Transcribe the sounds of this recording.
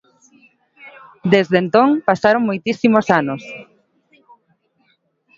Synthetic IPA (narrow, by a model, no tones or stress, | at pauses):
d̪ezðent̪õŋpasaɾoŋmojt̪isimosanos